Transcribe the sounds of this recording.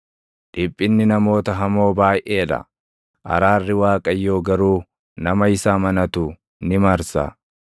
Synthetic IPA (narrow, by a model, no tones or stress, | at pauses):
ᶑɪpʼːɪnːɪnɐmo̞ːt̪ɐɦɐmo̞ːbaːjʔe̞ːᶑɐ̰ | ʔɐ̰ɾaːrːɪwaːkʼɐjːo̞ːɡɐɾuː | nɐmɐɪsaːmɐnɐt̪u | nɪmɐɾsa̰ː